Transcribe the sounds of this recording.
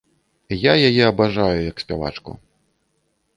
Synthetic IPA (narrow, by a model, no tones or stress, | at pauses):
jajajɛɐbaʐajujɐksʲpʲava̰t͡ʂkṵ